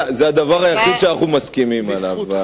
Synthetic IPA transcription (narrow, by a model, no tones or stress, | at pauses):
zead̪avaʁajaχid̪ʃeaaχumaskimimalav